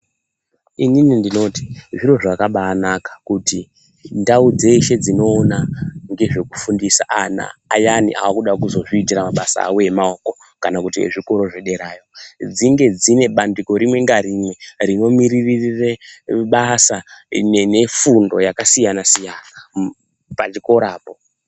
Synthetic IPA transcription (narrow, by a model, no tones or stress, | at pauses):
ininindino̞ti̥ʐiro̞ʐakaɓaːnakḁkuti | ndaud͡ze̞iʃe̞d͡zino̞ːnaŋɡe̞ʐe̞kufundisa̰ʔana̰ːjanḭʔa̰wakuɗakuzo̞ʐiːtiramaɓasa̰ːwoe̞maoːko̞ | kanakutiḛʐiko̞ɾo̞ʐe̞ɗe̞ɾaːjo̞d͡ziŋɡe̞d͡zine̞ɓandiko̞ɾimwe̞ŋɡarimwe̞rino̞miriririreɓasaene̞fundo̞̰jakasijanasijana | pat͡ʃiko̞ɾaːpo